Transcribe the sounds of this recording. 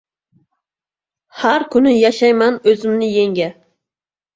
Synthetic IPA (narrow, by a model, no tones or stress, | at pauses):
hæɾkʲʰynɪjɑʃɑjmɛnøzymnɪjeŋɡʲɛ